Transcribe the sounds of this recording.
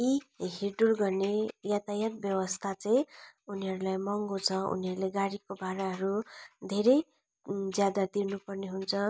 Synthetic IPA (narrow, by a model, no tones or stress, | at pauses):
iɦiɖurɡʌrnejat̪ajat̪̚bjʌwʌst̪ʰat͡saj̃uniɦʌɾulajmʌŋɡot͡sʰʌṵniɦʌɾuleɡaɽikobʱaɾaɦʌɾud̪ʱeɾʌj | d͡zjad̪ad̪inupʌrneɦunt͡sʰʌ